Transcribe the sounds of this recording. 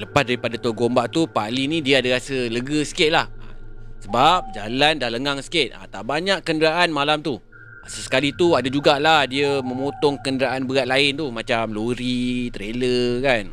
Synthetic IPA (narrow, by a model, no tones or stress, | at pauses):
ləpas̚daɾipadat̪uaɡombaʔt̪upalinidiəadaɾasələɡəsə̥kɪt̪̚laha̰səbap̚d͡ʒalandahləŋaŋsə̥kɪt̪̚a̰t̪aʔbaɲaʔkəndəɾaʔanmalamt̪u | səsə̥kalit̪uadad͡ʒuɡalahdiəmə̃mot̪ɔŋkəndəɾaʔanbəɡaʔ̚laɪnt̪umat͡ʃamloɾit̪ɾeləkan